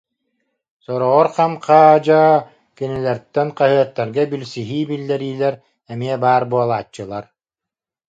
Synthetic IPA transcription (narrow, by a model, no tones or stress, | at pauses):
sɔɾɔʁɔɾqamqaːd͡ʑaː | kinilɛɾt̪ːɛnqaɦɯɐt̪ːɛɾɡɛbilsiɦiːbilːɛɾiːlɛɾ | ɛmiɛbaːɾbuɔlˠaːt͡ɕːɯlˠaɾ